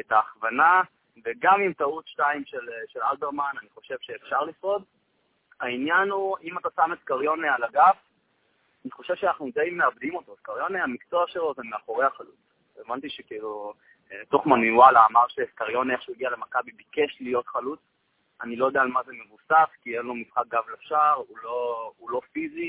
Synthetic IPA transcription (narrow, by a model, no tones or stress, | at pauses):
etaːχvana | veɡamimtaut̪ʃtaimʃelʃelaldeʁmananiχo̞ʃe̞vʃe̞ːfʃaʁlifo̞d | ainjanuimat̪asameskaʁjo̞nealaɡaf | aniχo̞ʃe̞v̥ʃeanaχnudejmeabd̪imo̞toskaʁjo̞neamikt͡soaχʃelo̞zemeaχo̞ʁe̞jhaχalut͡s | evant̪iʃekiilu | t̪o̞χmaniwalaːmaʁʃeskaʁjo̞neeχʃujɡialemakabibike̞ʃlijo̞tχalut͡s | anilojodeaːlmazeme̞vusafkienlo̞misχak̚ɡavlefʃaʁuloulo̞fizi